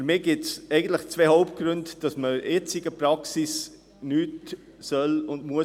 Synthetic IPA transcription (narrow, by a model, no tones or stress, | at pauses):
fyɾmɪːɡ̥ɪtt͡sɛɪɡən̩t̪ləχt͡svehoʊpt̚ɡ̥ɾʏndd̥ɑsməɛt͡sɪɡəpɾɑksis | nyːt | sœlʊndmuə